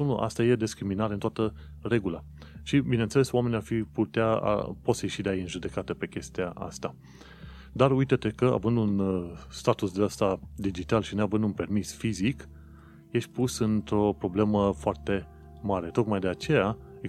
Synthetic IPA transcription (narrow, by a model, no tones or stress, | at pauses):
unuʔa̰st̪aje̞d̪eskɾiminaɾeɨnt̪oat̪ə | re̞ɡula | ʃibine̞nt̪selesoame̞niarfiput̪ea̰po̞t̪səjeʃid̪eajejɨnʒud̪e̞kat̪əpe̞kʲe̞st̪iaʔa̰st̪a | d̪arujt̪ət̪e̞kəa̰vɨnd̪unst̪at̪usd̪east̪ad̪id͡ʒit̪alʃinoavɨnd̪unpe̞rmisfizik | je̞ʃʲpusɨnt̪ɾo̞pɾo̞ble̞məfoart̪e̞ | maɾe̞t̪o̞kmajd̪eat͡ʃe̞ja | e